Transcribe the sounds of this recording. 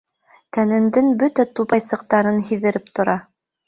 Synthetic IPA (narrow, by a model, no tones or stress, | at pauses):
t̪ænɘ̆nd̪ɘŋbɵt̪æt̪uβɑjsɤ̆q̚t̪ɑɾɤnɦiðɘ̆ɾɘp̚t̪ŏɾɑ